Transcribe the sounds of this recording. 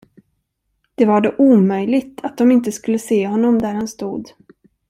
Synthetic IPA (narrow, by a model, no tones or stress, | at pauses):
d̪̥ɛvaɖoːʔuːmœjlɪɡt̪ʰat̪̚d̪ɔmɪnt̪əskɵlːəseːɦɔnːɔmd̪æɾhanst̪uːd̪